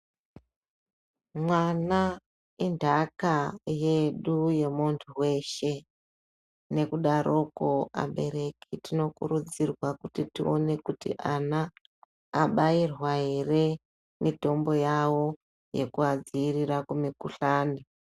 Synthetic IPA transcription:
mwana | indʱakaje̞ɗuje̞muntʰuwe̞ʃe̞ | ne̞kuɗaɾʔo̞koa̰ɓe̞ɾe̞kitino̞kṵɾud͡zirwakutitio̰ne̞kutḭʔanaː | ɓairwaɦe̞re̞ | mito̞mbo̞jawo̞ | je̞kuad͡ziiriɾakumikuɬaːni

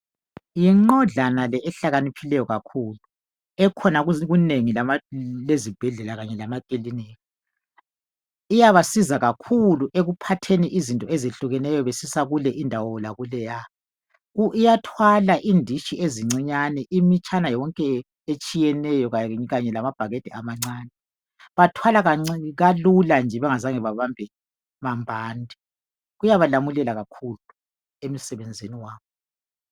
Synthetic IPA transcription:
jiŋ͡ǃɔɮanalɛʔːɬaɣanipʰilɛjɔɣakʰuːlu | ɛkʰɔnaɣɣuneŋilamalezib̥ʱɛɮɛlaɣaɲɛlamakʼilinɛɔ | ijaβasizaɣakʰuluʔeɣupʰatʰeniʔizintʼɔezeɬuɣɛnɛjɔβesisaɣulɛʔindʱawɔlaɣulɛja | uʔijatʰwalaʔindʱiʃiʔeziŋ͡ǀiɲanɛʔimit͡ʃʰʼanajɔɔŋkʼɛ | et͡ʃʼijɛnɛjɔɣaɣaɲɛlamab̥ʱaɣed̥ʱiamaŋ͡ǀaːnɛ | βatʰwalaɣaŋ͡ǀɣaluland͡ʒʱɛβɛŋazaŋɛβaβambʱɛ | mambʱaːndʱi | ɣujaβalamulɛlaɣakʰulu | em̩sɛβɛnd͡zʱeniwaːβɔ

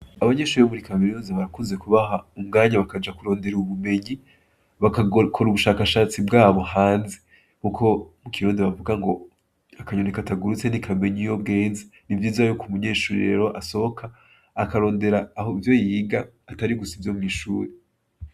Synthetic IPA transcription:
aβaɲe̞ːʃuɾiβomuɾikameɾuːnzeβaɾakuze̞kuβaɦaumɡaːɲaβakad͡ʒakuɾo̞ːndeɾuβume̞ɲi | βakkʰo̞ɾuβuʃaːkaʃaːt͡sibɡaːβo̞haːnze | muko̞mukʰiɾuːndiβavuɡaŋɡo̞ | akaɲonekataɡuɾut͡se̞nikʰame̞ɲijo̞bɡe̞ːnzenivjiːzajokumuɲe̞ːʃuɾiɾe̞̰ɾo̞ʔaso̞βokʰaː | kaɾo̞ːnde̞ɾaːɦovjo̞jiːɡaː | taɾiɡusivjo̞mŋiːʃuːɾe

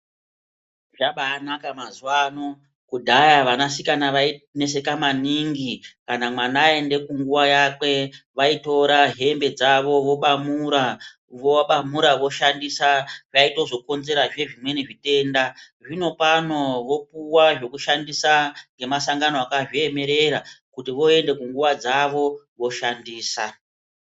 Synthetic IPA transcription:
ʐaɓaːnakamazuwaːno̞ | kudʱajaʋanasikanaʋaine̞se̞kamaniŋɡikanamwanaːe̞nde̞kuŋɡuʋajakwe̞ʋaito̞ɾaɦe̞mbe̞d͡zaʋo̞ʋo̞ɓamuɾa | ʋoɓamuɾaʋo̞ʃandisaʐaito̞zo̞ko̞nze̞ɾaʐe̞ʐimwe̞niʐite̞ːnda | ʐino̞pano̞ʋo̞puwaʐo̞kuʃandisaŋɡe̞masaŋɡanoakaʐieme̞ɾe̞ɾakutiʋo̞e̞nde̞kuŋɡuʋad͡zaʋo̞ | ʋo̞ʃandiːsa

